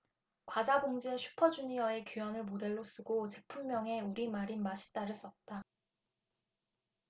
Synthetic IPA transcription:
kwad͡ʑaboŋd͡ʑieɕʰu̥pʰʌd͡ʑuɲiʌe̞kjujʌnɯɭmode̞ɭːos͈ɯɡot͡ɕe̞pʰumːjʌŋe̞uɾimaɾimaɕʰi̥t͈aɾɯs͈ʌt̚t͈a

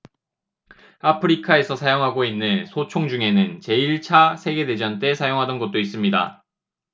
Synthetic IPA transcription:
apʰɯɾikʰae̞sʰʌsʰajoŋɦaɡoinːɯnsʰot͡ɕʰoŋd͡ʑuŋe̞nɯnt͡ɕe̞iɭt͡ɕʰasʰe̞ɡe̞de̞d͡ʑʌnt͈e̞sʰajoŋɦadʌnɡʌt̚t͈ois͈ɯmɲida̰

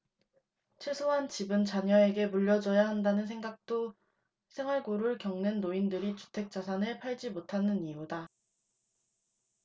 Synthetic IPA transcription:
t͡ɕʰwesʰoɦant͡ɕibɯnt͡ɕaɲʌe̞ɡe̞muʎːʌd͡ʑʌjaɦandanɯns̬ʰeŋɡak̚t͈o | sʰe̞ŋɦwaɭɡoɾɯɭkjʌŋnɯnːoindɯɾit͡ɕu̥tʰe̞k̚t͡ɕ͈asʰanɯɭpʰaɭd͡ʑimotʰanɯnijuda

